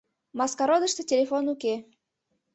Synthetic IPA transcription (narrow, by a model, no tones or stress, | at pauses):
mɑskɑɾod̪ə̆ʃt̪ə̆tʲelʲefonuke